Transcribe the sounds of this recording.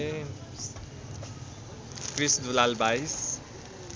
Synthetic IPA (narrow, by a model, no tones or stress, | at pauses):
kɾisd̪ulalbajs